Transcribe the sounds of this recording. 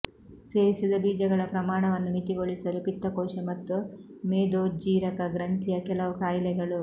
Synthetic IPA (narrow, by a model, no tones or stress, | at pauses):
seːʋisid̪ɐbiːd͡ʒɐɡɐɭɐpɾɐmaːɳɐʋɐnːumit̪iɡo̞ɭisɐlupit̪ːɐkɔːʃɐmɐt̪ːumeːd̪oːd͡ʒiːɾɐkɐɡɾɐnt̪ijɐkɛlɐʋukaːjlɛɡɐɭu